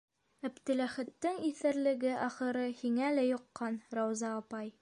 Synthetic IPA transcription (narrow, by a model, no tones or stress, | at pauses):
æbt̪ɘ̆læχɘ̆t̪ːɘŋiθɘɾlɘ̆ɡɘʔɒχɤ̆ɾɤhiŋælæjŏqːɑnɾɑwzɑːpɑj